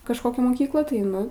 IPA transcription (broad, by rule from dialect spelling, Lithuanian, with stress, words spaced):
kɐʃˈkoːkʲæː moːˈkʲiːklˠɑː tɐɪ ˈnʊ